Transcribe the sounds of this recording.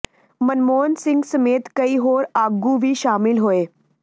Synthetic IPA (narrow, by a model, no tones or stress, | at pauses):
mənmonsiŋɡsəmet̪kəiːɦoɾaɡuʋiːɕamilɦoe